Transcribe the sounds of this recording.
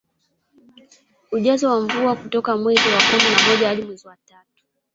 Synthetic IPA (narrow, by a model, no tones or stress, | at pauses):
uʄazɔwaɱvuakutɔkamwɛziwakuminamɔʄahaɗimwɛziwatatu̥